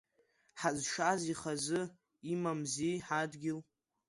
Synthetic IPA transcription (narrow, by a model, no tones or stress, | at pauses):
ħazʃaziχazɨ | imamziħadɡʲɪl